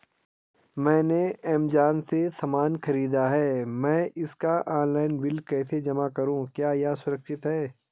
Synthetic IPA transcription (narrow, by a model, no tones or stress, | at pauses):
mɛ̃ːneɛːmd͡ʒaːnsesɐmaːnxɐɾiːd̪aɦɛːmɛ̃ːʔɪskaʔaːnlaːɪnbɪlkɛːsed͡ʒɐmakɐɾũkjaːjaːsʊɾɐkʃɪt̪ɦɛː